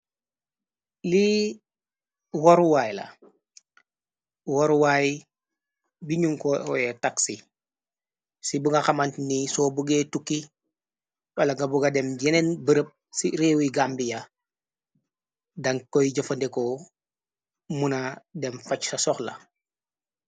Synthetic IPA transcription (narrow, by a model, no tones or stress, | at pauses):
li | woɾwaːjlɐ̰ | woɾwaj | biɲuŋkɔɔ̰jɛtaksi | sibuŋɡaxamantnisɔːbuɡetukːi | wɐlaŋɡabuɡadɛmɟɛnɛnbəɾəp̚ | siɾewiɡambija | dɐŋkːɔjɟɐfɐndeko | munadɛmfat͡ʃsasɔxla̰